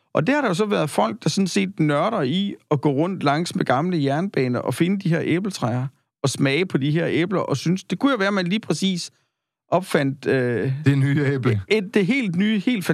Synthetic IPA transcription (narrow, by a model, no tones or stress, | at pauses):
ʔɒ̽d̥ehɑ̈ɾ̥ejo̝sɒ̽ʋæːɐð̩ˠfɒ̽l̰ɡ̥̚d̥ɑ̈sɔ̽n̩se̝̰ːd̥nɶɐɾɐiɒ̽ɡ̥ɔ̰ːʁɔ̽n̰d̥lɑ̈ŋ̰smeɡ̥ɑ̈mləjæɐnəb̥ɛ̰ːnɐʔɒ̽fe̝nəd̥iɦe̝ɐ̰ʔeːb̥l̩t͡sʰʁaɐ | ɒ̽smɛɪəpʰɒ̽d̥iɦeɐ̰eːb̥lɐʔɒ̽synsd̥e̝kʰujo̝ʋæːɐmænliːpʰʁɛsḭːs | ʔɒ̽b̥fæn̰d̥ød̥enyːeːb̥d̥e̝ɦe̝̰ːld̥nyːhe̝̰ːld̥fæ